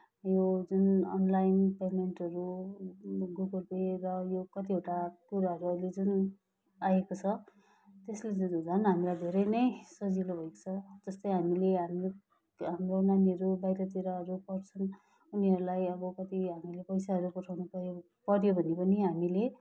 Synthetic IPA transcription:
jod͡zunʌnlajnpemeɳʈɦʌɾu | ɡuɡʌlperʌjokʌt̪ieʈakuɾaɦʌɾuʌjled͡zun | ajekot͡sʰʌ | t̪esled͡zud͡zd͡zʱʌnɦamilajd̪ʱeɾʌjnʌjsʌd͡zilobʱʌjkt͡sʰʌd͡zʌst̪ʌjɦamileɦam | ɦamronaniʌɾubajɾʌt̪iɾaɦʌɾupʌrt͡sʰʌn | uniɦʌɾulajʌbʌkʌt̪iɦamilepʌjsaɦʌɾupʌʈʰawnupʌɾjo | pʌɾjobʱʌnepʌniɦamile

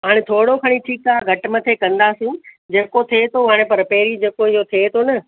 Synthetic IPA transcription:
ɦaːɽ̃ẽt̪ʰoːɽokʰɐɽ̃ĩʈʰiːkaːɡʱɐʈmɐt̪ʰekɐ̃nd̪aːsĩ | d͡ʑeːkot̪ʰiet̪ʰoɦaːɽ̃epɐɾpeːɾid͡ʑeːkoɪɦot̪ʰet̪ʰonɐ

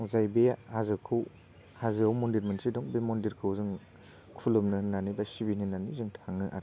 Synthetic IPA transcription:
ŋzajbejahazɯkʰɯw | hazɯawmɔndiɾmɯnsidɔŋbemɔndiɾkʰɯwzɯŋ | kʰulɯmnɯnːanibasibininanizɯŋtʰaŋɯʔa̰ɾ

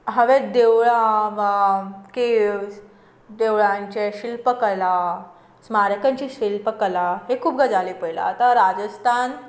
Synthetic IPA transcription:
ɦəʋed̪eʋɭaʋakes | d̪eʋɭaɲt͡ɕeɕilpəkəla | smaɾəkãɲt͡ɕiːɕilpəkəlaɦekʰuːpɡəd͡zalipəla̰ːt̪aɾad͡zəst̪ʰan

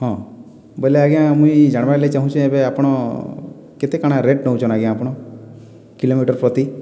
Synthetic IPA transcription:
ɦɔ̃ | boleaɡijãmũĩd͡ʒaɽ̃ʋajleit͡ʃaɦũt͡ʃʰũebeapɽ̃ɔ | ket̪ekaɽ̃aɾeʈnɔũt͡ʃʰɔnaɡiãːpɔɽ̃ɔ | kilomiʈəɾpɾɔt̪i

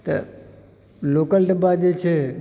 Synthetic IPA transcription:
t̪ɐ̰ | loːkəlɖɐbad͡ʑeːt͡ʃʰeː

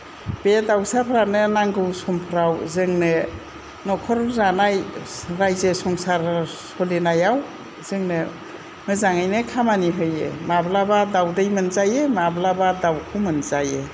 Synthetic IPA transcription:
b̥edawsapʰɾanɯnaŋɡɯwsɔmpʰɾawzɯŋnɯ | nɔkʰɔɾzanajɾajzesɔŋsaɾsɔlenajaw | zɯŋnɯ | mɯzaŋajnɯkʰamaniɦɯjḛmablabadawdɯjmɯnzajemablabadawkʰɯmɯnzajḛ

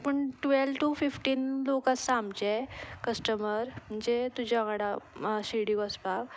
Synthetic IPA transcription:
pəɳʈʋelʈufifʈiːnlokãsamd͡ʑekəsʈəməɾm̤əɳd͡zet̪ud͡ʑaɡaɽaɕiɽikəsbak

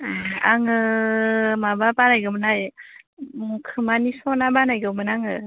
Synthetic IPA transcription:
aaŋɯ | mababanajɡɯmɯnaj | mukʰɯmanisɔnabanajɡɯmɯnaŋɯ

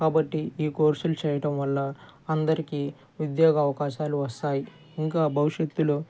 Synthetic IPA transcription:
kaːbɐʈːiiːkoːɾsulut͡ʃɛːjɐʈɐmʋɐlːɐ | ɐnd̪ɐɾikiː | ʋid̪jaːɡɐːʋɐkaːʃaːluʋɐst̪aːji | iŋkaːbʱɐʋiʂjet̪ːulu

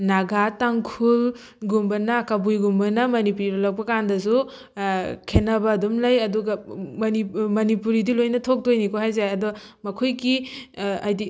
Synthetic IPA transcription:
naɡataŋkʰul | ɡumbɐnakabujɡumbɐnɐmɐnipuɾilolɐk̚pɐkandɐs̬u | kʰenɐbɐːdumlajɐduɡɐmɐnimɐnipuɾidilojnɐtʰok̚dojnikoɦajzaɐdɔmɐkʰojɡi | ajdi

